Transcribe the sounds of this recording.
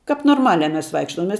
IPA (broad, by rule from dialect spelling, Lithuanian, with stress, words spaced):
kɐp noːrˈmɑːlʲæː ˈmʲɛs ˈʋɐɪkʃtoːm ˈmʲɛs